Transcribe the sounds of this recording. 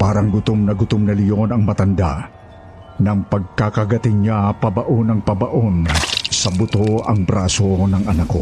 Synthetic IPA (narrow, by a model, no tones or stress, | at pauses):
paːɾɐŋɡʊt̪omnɐɡʊt̪omnɐlɪjo̞nɐŋmɐt̪ɐnd̪a̰ | nɐŋpɐɡ̚kakɐɡɐt̪ɪɲɲapɐbɐʔonɐŋpɐbɐʔonsɐbʊt̪oɐŋbɾaːso̞nɐŋɐnako̰